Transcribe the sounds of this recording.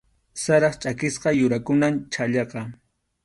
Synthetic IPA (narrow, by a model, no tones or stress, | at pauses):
saɾɑχt͡ʃʼakɪsqɑjʊɾakʊnamt͡ʃʰaʎɑqɑ